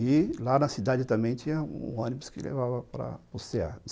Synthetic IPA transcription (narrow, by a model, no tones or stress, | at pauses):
ɪlanɐsid̪ad͡ʒɪt̪ɐ̃mbẽj̃t͡ʃĩɲɐṵ̃ɐ̃nibʊ̥skɪ̰lḛvavɐpɾɐ̰pʊsea̰